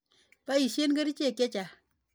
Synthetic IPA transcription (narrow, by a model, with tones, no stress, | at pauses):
pa˦i˨ʃe˦nɡə˦ɾi˦t͡ʃe˦˨kje˦t͡ʃa˨